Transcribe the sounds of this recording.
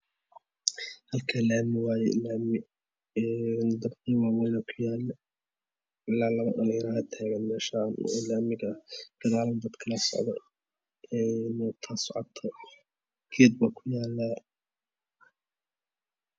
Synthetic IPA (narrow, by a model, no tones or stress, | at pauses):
hɐlkʰɐlaːmɪwaːjɛ̰ɪlaːmɪ | ɛnd̪ɐbkiːwawɛnɐkʰʊjaːl | ɪlaːlɐβɐɗɐlɪjɾaɐt̪ʰaːɣɐnmɛːʃan̰ɪlaːmɪɣbɪɾaːlɐnd̪ɐd̪kʰɐlɐsɔ̰ʕd̪ɔ̰ | ɛːnːt̪ʰaːsɔʕɔt̪ʰɐ | kʰɛːd̪̚bɐkʰʊjaːlːa